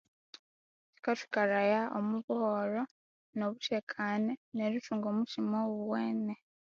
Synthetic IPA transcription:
t͡ʃi̥kati̥kaɾajaomuβuhoɾo̞ | noβuʃekʰaneneɾituːŋɡomuʃimouweːne

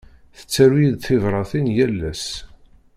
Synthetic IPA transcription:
θə̥t͡sːæɾwjiðθɪvɾˤɑθinjælːæs

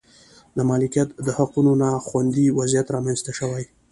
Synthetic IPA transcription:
d̪əmɑlɪkijat̪d̪əhaqunonaxwand̪iwazijat̪ɾɑmanzt̪aʃəwaj

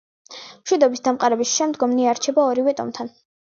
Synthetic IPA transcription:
mʃwid̪ɔbisd̪amqʼaɾɛbisʃɛmd̪ɡɔmniaɾt͡ʃʰɛbaɔɾivɛt̪ʼɔ̰mt̪ʰan

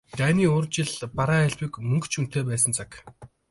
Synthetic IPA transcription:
t̪æːniːʊːrt͡ɕɪ̆ɮpaɾaːæɮʲpiːkmɵŋkt͡ɕʰun̥t̪eːpæːs̬ə̆nt͡sʰak

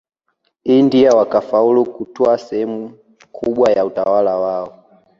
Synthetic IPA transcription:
indiawakafaulukutɔasɛhɛmu | kʰuɓwajautawalawaɔ

